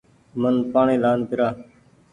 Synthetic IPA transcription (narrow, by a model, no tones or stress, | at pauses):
mənpaːɳiːlaːnpɪɾaː